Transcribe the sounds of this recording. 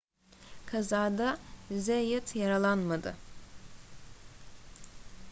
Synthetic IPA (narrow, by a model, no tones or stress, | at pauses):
kʰazaːd̪azejɯt̪ʰjaɾalˠanmad̪ɯ̰